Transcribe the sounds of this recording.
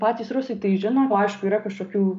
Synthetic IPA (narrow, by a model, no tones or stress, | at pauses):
pɑːt̪ʲiːsrʊsʲɪt̪ɐɪʒʲɪnoːɐɪʃkʊiːɾɐkɐʃkoːkʲuː